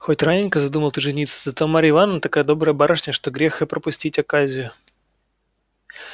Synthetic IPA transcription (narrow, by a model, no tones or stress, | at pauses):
xotʲranʲɪnʲkəzɐd̪uməlˠt̪ɨʐɨnʲit̪sɨ̥zɐt̪omaɾʲɪɪvanːət̪ɐkajəd̪o̞bɾəjəbaɾəʂnʲəʂt̪oɡɾʲexɨpɾəpʊsʲtʲitʲɐkazʲɪjʊ